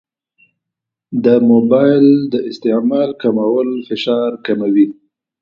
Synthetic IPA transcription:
d̪əmobɑjld̪əʔɪst̪ɪmalkamawəlfɪʃɑɾkamawi

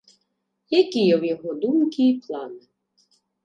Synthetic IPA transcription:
jɐkʲijɛwjɔɦɔd̪umkʲiːplˠɑnɪ

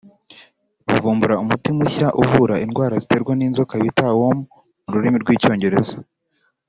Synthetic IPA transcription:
ṵvuːmbuɾaumutimuçaʔuvuɾaʔinɡwaːɾazite̞ɾɡwaniːnzo̞kaβitawomu | muɾuɾimiɾɡwiːco̞ːɲɟe̞ɾe̞za

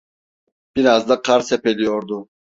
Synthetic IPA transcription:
b̥iɾazd̪aqʰaɾsɛpʰɛlijɔɾd̪u

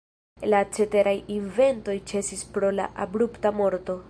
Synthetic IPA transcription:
lat͡ʃe̞te̞ɾʔajinve̞nto̞jt͡ʃe̞sispɾo̞la̰ʔabɾuptamo̞ɾto̞

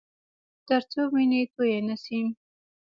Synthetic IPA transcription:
t̪əɾt͡sominit̪ojenasim

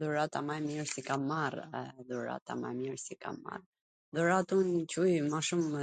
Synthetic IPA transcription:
ðuɾat̪amajmiɾsikaaɾɛðuɾa̰t̪a̰ma̰jmiɾsika̰ma̰r | ðuɾat̪uncujmaʃumə

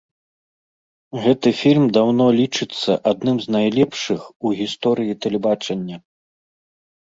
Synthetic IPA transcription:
ɣɛt̪ɨfʲilʲmd̪awnɔlʲit͡ʂɨt̪sːɐʔad̪̚nɨmznajlʲɛpʂɨxuɣʲist̪ɔɾɨjit̪ɛlʲɛbat͡ʂɐnʲːɐ

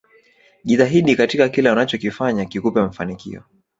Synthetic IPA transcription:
ʄiðaɦiɗikatikakilɛwanat͡ʃɔkifaɲakikupɛm̩fanikḭɔ̰

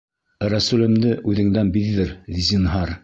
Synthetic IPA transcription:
ɾæsʉlɘ̆md̪ɘʔʉðɘ̆ŋd̪ænbiðːɘɾzʲinɦɑɾ

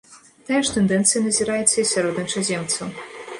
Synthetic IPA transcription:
t̪ajaʂt̪ɛnd̪ɛnt̪sɨjɐnɐzʲiɾajɛt̪sːɐisʲaɾɔd̪nʲɐt͡ʂɐzʲɛmt̪sɐ

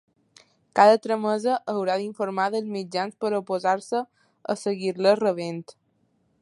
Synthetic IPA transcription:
kaðət̪ɾəməzəʔːwɾaðiɱfoɾmaðəlˠzmid͡ʒanspəɾopozaɾsə | ə̰səɣiɾlərəβ̞ent̪

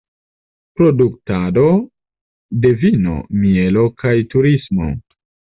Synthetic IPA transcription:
pɾo̞duktado̞ | de̞vino̞̰mie̞lo̞kajtuɾismo̞̰

